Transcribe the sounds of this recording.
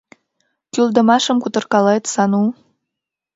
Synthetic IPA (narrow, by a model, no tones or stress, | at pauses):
kyld̪ə̆mɑʃə̆mkut̪ɤ̆rkɑlet̪sɑnu